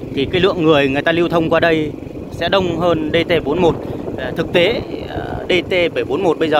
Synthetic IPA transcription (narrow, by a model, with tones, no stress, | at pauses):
t̪ʰi˨˩kaː˨˦jlɨ̰˧˨əŋːɨ˨˩əjŋɨ˨˩əjt̪aː˧li˧wt̪ʰə˧wŋ͡mkwaː˧ɗə˧j | sɛ̰˧˥ɗə˧wŋ͡mɦəː˧nɗe˧t̪e˧ɓo˨˦nmo˨˩t̚t̪ʰɨ˨˩k̚t̪e˨˦ | ɗe˧t̪e˧ɓə˧˩jɓo˨˦nmo˨˩t̚ɓə˧jzəː˨˩